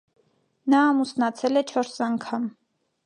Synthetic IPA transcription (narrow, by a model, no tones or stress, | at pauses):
nɑːmusnɑt͡sʰɛlɛt͡ʃʰɔɾsɑŋkʰɑm